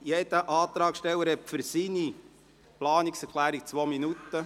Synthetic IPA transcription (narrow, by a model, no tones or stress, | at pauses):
jed̥̪əʔɑːt̪ɾɑːkʃtɛlːəɾhɛpfʏɾsini | plɑːniksɛkʰlæːɾik̚t͡sʋoːminut̪ːə